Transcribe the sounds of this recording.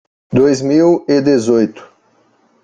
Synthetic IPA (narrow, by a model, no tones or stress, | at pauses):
d̪ojzmiwɪd̪ezojt̪ʊ̥